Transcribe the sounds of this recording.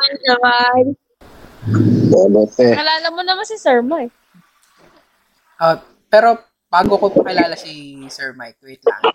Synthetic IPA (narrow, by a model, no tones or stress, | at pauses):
ɐaj | onot̪ɛkɐlaːlɐmonɐmansisɛɹmaj | ʔo | pɛːɾo̞ | b̥aːɡokopɐkɪlaːlɐsisɛɹmajt̪wit̪̚lɐ̰ŋ